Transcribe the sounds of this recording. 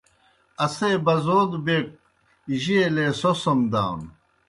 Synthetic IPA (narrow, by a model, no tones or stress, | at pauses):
ɐsebɐzoːd̪bek̚ | ʑielesosɐmd̪aːwn